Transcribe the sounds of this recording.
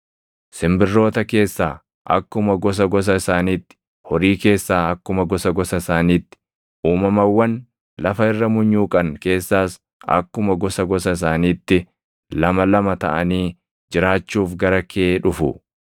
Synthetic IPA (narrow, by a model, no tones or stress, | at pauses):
sɪmbɪrːo̞ːt̪ɐke̞ːsːaː | ʔɐ̰kːʊmɐɡɔs̬ɐɡɔs̬ɐɪsaːniːt̪ːɪ̥ | hɔɾiːke̞ːsːaːɐkːʊmɐɡɔsɐɡɔsɐɪsaːniːt̪ːɪ̥ | uːmɐmɐwːɐn | lɐfɐɪrːɐmʊɲːuːkʼɐnke̞ːsːaːs | ɐ̰kːʊmɐɡɔsɐɡɔsɐɪs̬aːniːt̪ːɪ | lɐmɐlɐmɐt̪ɐʔɐniː | d͡ʒɪɾaːt͡ʃːuːfɡɐɾɐkʰeːᶑʊfʊ̰